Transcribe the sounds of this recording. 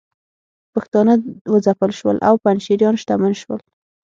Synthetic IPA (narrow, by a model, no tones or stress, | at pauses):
paxt̪ɑnəwəd͡zapəlʃwə̰lʔa̰wpanʃiɾjɑnʃt̪amanʃwəl